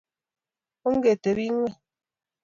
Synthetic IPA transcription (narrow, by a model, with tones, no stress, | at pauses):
o˦ŋ̩˦ɡe˨te˨bi˦ŋʷwe˦